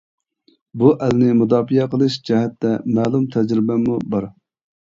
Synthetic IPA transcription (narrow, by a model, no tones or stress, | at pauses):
buʔælnɪmud̪ɑːfijɛqəlˠɨʃd͡ʒɛɦɛt̪ːɛmæːlˠumt̪ʰɛd͡ʒɾɪbɛmubɑɾ